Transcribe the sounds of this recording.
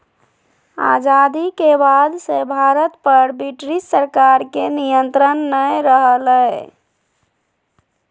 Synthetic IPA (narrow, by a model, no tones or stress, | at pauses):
a̰d͡ʒad̪ikebad̪sebʱaɾət̪pəɾbiʈɾissəɾkaɾkenijənt̪ɾənːəjɾəɦəlɛj